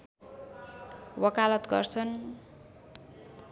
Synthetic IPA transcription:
wʌkalʌt̪ɡʌrt͡sʰʌn

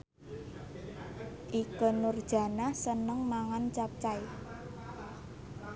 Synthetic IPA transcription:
ʔikənʊrd̥ʒ̥a̤nahsənəŋmaŋant͡ʃap̚t͡ʃaj

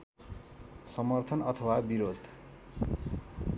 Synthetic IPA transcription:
sʌmʌrt̪ʰʌnʌt̪ʰʌwabiɾod̪

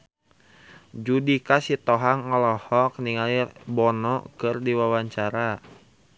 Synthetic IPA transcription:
d͡ʒudikasit̪ɔɦaŋːɔlɔhɔk̚niŋalibɔnɔkɨrdiwawaɲt͡ʃaɾa

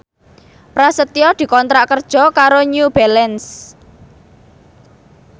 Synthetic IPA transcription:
pɾasət̪iɔd̪̥i̤kɔnt̪ɾaʔkərd̥ʒ̥ɔ̤kaɾoɲub̥ɛlɛns

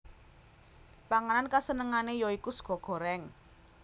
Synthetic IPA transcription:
paŋanankasənəŋanejoikusɡ̥ɔ̤ɡ̥ɔ̤ɾɛŋ

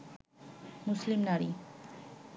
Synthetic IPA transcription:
muslimnaɾi

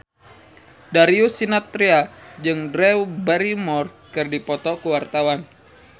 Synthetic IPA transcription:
daɾiusinat̪ɾiad͡ʒɨŋdɾɛubɛɾimɔr | kɨrdipɔt̪ɔkuwart̪awan

